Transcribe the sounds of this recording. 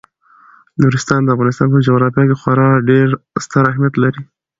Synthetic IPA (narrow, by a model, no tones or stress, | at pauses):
nuɾɪst̪ɑnd̪əafɣɑnɪst̪ɑnpəd͡ʒoɣɾɑfjɑkexwaɾɑɖeɾst̪əɾahmjat̪laɾi